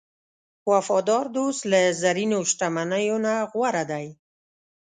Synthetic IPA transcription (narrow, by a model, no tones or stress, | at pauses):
wafɑd̪ɑɾd̪oslazaɾinoʃʈamanəjonaɣwaɾad̪aj